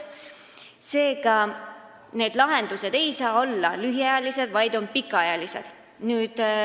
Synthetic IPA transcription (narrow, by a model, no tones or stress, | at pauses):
se̞ːɡ̥ɑ | ne̞ːd̪lɑɦe̞nd̪̥use̞d̪̥e̞jsɑːo̞lːɑlyɦiɑjɑlise̞d̪vɑjd̪o̞npikːˑɑɑjɑlise̞̰d̪̥ | nyːd̪̥